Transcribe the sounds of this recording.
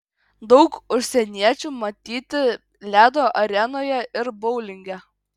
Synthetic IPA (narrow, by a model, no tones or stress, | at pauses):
d̪ɒʊkʊʃʲsʲɛnʲiɛt͡ʃʲuːmɐt̪ʲiːt̪ʲɪ | lʲæːd̪oːʔɐɾʲɛnoːjɛʔɪɾbɔʊlʲɪŋʲɡʲɛ